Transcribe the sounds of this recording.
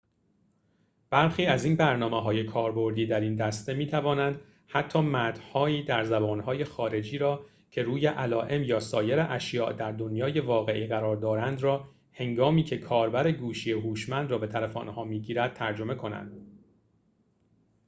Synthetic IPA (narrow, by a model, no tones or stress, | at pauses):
b̥æɾxiːæziːnbæɾnɒːmeɦɒːjekʰɒːɾbo̞ɾd̪iːd̪æɾiːnd̪æst̪e̞miːt̪ʰævɒːnænd̪ | hæt̪ʰːɒːmæd̪̥hɒːiːd̪æɾzæbɒːnɦɒːje̞xɒːɾe̞d͡ʒiːɾɒː | cʰe̞ɾuːje̞ʔælɒːʔe̞mjɒːsɒːje̞ɾeʔæʃjɒːʔd̪æɾd̪onjɒːje̞vɒːɣe̞ʔiːɣæɾɒːɾd̪ɒːɾænd̪ɾɒː | he̞ŋɡɒːmiːcʰe̞kʰɒːɾbæɾeɡuːʃijeɦuːʃmænd̪rɒːbe̞t̪ʰælefo̰nhɒːmiːɟiːɾæd̪̥̚t̪ʰæɾd͡ʒo̞me̞kʰo̞næ̰nd̪̥